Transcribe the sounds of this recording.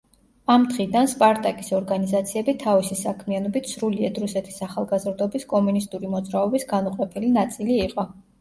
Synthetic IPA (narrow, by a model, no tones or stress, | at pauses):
amd̪ʁid̪anspʼaɾt̪ʼakʼisɔɾɡanizat̪sʰiɛbit̪ʰavisisakʰmianɔbit̪ʰsɾuliɛd̪ɾusɛt̪ʰi̥saχalˠɡazɾd̪ɔbiskʼɔmunist̪ʼuɾimɔd̪zɾaɔbisɡanuqʼɔpʰɛlinat̪sʼiliːqʼɔ